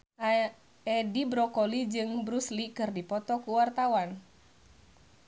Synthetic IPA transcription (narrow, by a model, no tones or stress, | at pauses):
ɛdibɾɔkɔlid͡ʒɨŋbɾuslikɨrdipɔt̪ɔkuwart̪awan